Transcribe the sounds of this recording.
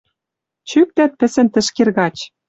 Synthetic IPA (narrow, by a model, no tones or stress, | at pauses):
t͡ɕyk̚t̪æt̪̚pɘ̆sɘ̆nt̪ɘ̆ʃkerɣɑt͡ɕ